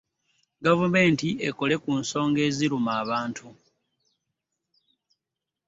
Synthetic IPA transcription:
ɡavume̞ːntieko̞le̞kuːnso̞ːŋɡe̞ːziɾumaːβaːntʰu

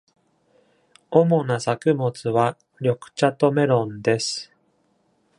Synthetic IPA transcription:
o̞mo̞nasakɯ̟mo̞t͡sɨβa | ɾʲo̞kɯ̟̥t͡ɕat̪o̞me̞ɾõ̞nd̪e̞sɨ̥

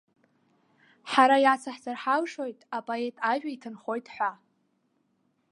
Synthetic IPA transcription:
ħaɾajat͡sʰaħzarħalʂojtʼapʼoe̞tʼaʒᶣaitʰɨnχo̞jtʼħʷa

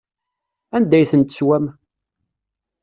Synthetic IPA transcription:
ænd̪æjθənt̪əswæm

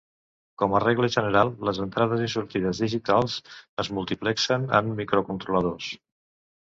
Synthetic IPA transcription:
kɔmərɛɣləʒənəɾalˠːəzənt̪ɾað̞əzisuɾt̪iðəzðiʒit̪alˠzəzmulˠt̪iplɛksənə̰mːikɾokunt̪ɾuləð̞os

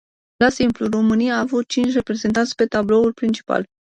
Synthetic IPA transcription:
lasimpluro̞mɨnijaːvut̪̚t͡ʃint͡ʃʲre̞pɾe̞zent̪ansʲpe̞t̪ablo̞ulpɾint͡ʃi̥pa̰l

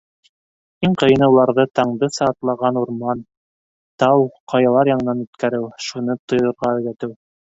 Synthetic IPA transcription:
iɴqɤ̆jɤ̆nɤulˠɑɾðɤt̪ɑɴd̪ɤsɑt̪lˠɑʁɑnuɾmɑn | t̪ɑwqʰɑjɑlˠɑɾjɑɴɤ̆nɑnʉt̪kæɾɘwʃunɤt̪ŏjɤ̆ɾʁɑɵ̆ðæt̪ɘw

